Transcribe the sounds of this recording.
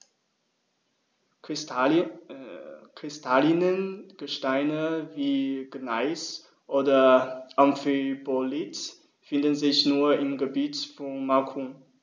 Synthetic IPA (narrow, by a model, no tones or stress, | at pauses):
kʁ̥ɪstʰalɪnənɡ̥əʃtaɪnəviːɡ̥naɪs | ʔoːdɐʔanfibolit | fɪndənzɪçnuːɐɪmɡəbiːtfɔnmakʰum